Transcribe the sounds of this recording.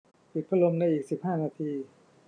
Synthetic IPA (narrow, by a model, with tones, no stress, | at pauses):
pi˨˩t̪̚pʰa˧lo˧mna˧jʔiː˨˩k̚si˨˩p̚hɦaː˥˩naː˧t̪ʰiː˧